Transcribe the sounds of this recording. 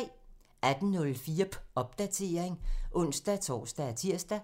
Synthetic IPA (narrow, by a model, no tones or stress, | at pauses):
æd̥n̩nɔ̽lfiːɐ̥ɒ̽b̥̚d̥æt͡sʰe̝ɐeŋʔɔ̽n̰sd̥æt͡sʰɒ̰ːsd̥æt͡sʰiɐ̰sd̥æ